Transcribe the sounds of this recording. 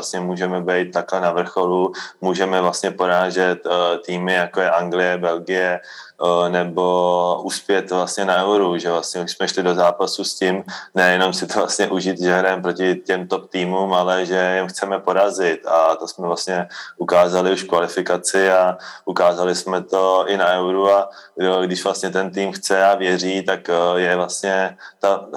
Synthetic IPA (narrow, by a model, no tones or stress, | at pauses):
ast̪ɲɛmuːʒɛmɛbɛjt̪̚ːaklɛnavr̩xo̞lumuːʒɛmɛvlast̪ɲɛpo̞ɾaːʒɛt̪t̪ːiːmɪjakojɛʔaŋɡlɪjɛbɛlɡɪjɛ | nɛbo̞ʔuspjɛt̪vlast̪ɲɛnaʔɛwɾuʒɛvlasɲɛsmɛʃlɪdozaːpasuscimnɛjɛno̞msɪt̪ovlast̪ɲɛʔuʒiːt̪ʒɛɦɾɛmpɾo̞cɪcɛmt̪op̚t̪iːmuːmalɛʒɛjɛmxt͡sɛmɛpo̞ɾazɪt̪at̪o̞smɛvlast̪ɲɛʔukaːzalɪuʃkvalɪfɪkat͡sɪaʔukaːzalɪsmɛt̪o̞ʔɪnaɛwɾuadoɡdɪʃvlast̪ɲɛt̪ɛnt̪iːmxt͡sɛavjɛr̝iːt̪akjɛvlast̪ɲɛt̪a